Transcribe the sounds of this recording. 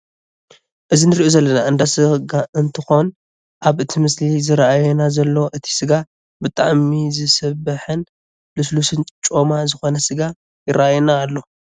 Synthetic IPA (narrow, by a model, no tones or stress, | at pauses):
ʔɨzinɨɾiʔozɐlːɐnaʔɨnd̪asɨɡaʔɨnt̪ʰɨxo̞n | ʔaβʔɨt̪ʰimɨslizɨɾaʔajɛnazɐlːoʔɨt̪ʰi̥sɨɡa | bɨt̪ʼa̰ʕmizɨsɐβɨħɨn | lɨslusɨnt͡ʃʼo̞mazɨxo̞nɐsɨɡa | jɪɾaʔajunaːlːo̞